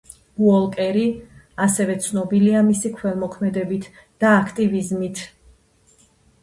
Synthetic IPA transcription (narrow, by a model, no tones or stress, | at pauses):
uɔlˠkʼɛɾi | asɛvɛt̪sʰnɔbiliamisikʰwɛlˠmɔkʰmɛd̪ɛbit̪ʰ | d̪̥aːkʰt̪ʼivizmit̪ʰ